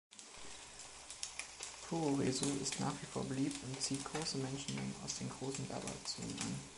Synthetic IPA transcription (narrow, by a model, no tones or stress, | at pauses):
pʰoʁezoɪstna̰ːχv̥ifoːɐbəliːp̚tʊntt͡siːt̚ɡ̥ʁoːsəmɛnʃn̩nɛ̰ma̰ʊsd̥eːmɡʁoːsn̩vɛ̰ɐbɐ̰t͡sṵḭ